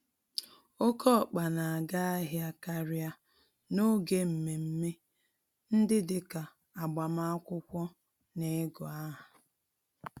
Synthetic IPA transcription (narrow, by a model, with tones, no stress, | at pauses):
o˦kʰɔ˦˨k͡pa˨na˨a˨ɡa˦a˦ɦja˦ka˦ɾja˦ | no˦ɡe˦m̩˨me˨m̩˦me˦ | n̩˦dɪ˦dɪ˦ka˨ | a˨ɡ͡ba˨ma˦a˦kʷʊ˦kʷɔ˦ | ne˨˦ɡɔ˨a˦ɦa˨